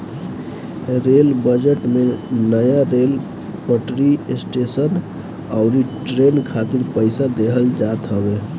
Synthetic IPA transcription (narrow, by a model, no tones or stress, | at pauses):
ɾeːlbəd͡ʒeʈmẽnəjaɾeːl | pəʈɾisʈeːsən | aʊɾiʈɾeːnkʰaːt̪ɪɾpəɪsad̪eɦəld͡ʒaːt̪ɦəbe